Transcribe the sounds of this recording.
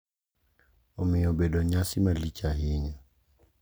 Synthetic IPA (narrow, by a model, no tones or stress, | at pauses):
ɔmɪɔbedɔɲasɪmalit͡ʃaɦɪɲa